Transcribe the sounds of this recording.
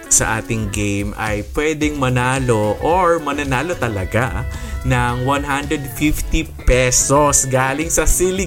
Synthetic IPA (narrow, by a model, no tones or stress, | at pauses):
sɐ̰ʔa̰ːt̪ɪŋɡejmɐ̰jpwɛːd̪ɛŋmɐnaːlo̞ʔoɹmɐnɐnaːlot̪ɐlɐɡanɐŋwanɦand̪ɹɛd̪fift̪ipɛsosɡaːlɪŋsɐsilɪ